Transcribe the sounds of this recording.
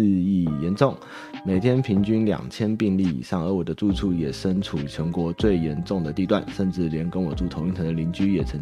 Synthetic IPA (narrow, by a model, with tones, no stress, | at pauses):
i˥˧˩jɛ˧˥nʈ͡ʂʊ˥˩ŋ | me˨˩ɪt̪ʰjɛ˥npʰi˧˥ŋt͡ɕy˥nljɑ̰˨˩ŋt͡ɕʰjɛ˥npi˥˧ŋli˥˩ḭ˨˩ʂɑ˥˩ŋə˞˧˥wɔ˨˩d̪ə˦t͡su˥˧ʈ͡ʂʰu˥˩jɛ˨˩ʂə˥nʈ͡ʂʰu˨˩t͡ɕʰjɤ˧˥ŋkwɔ˧˥t͡swe˥˩ɪjɛ˧˥nʈ͡ʂʊ˥˩ŋd̪ə˩t̪i˥˧t̪wa˥˨nʂə˥˧nʈ͡ʂɻ̩˥˩ljɛ˧˥nkə˥nwɔ˨˩t͡su˥˩t̪ʰo˧ŋi˥˩t̪ʰɤ˧˥d̪ə˧li˧˥nt͡ɕy˥jɛ˨˩t͡sʰɤ˧˥ŋ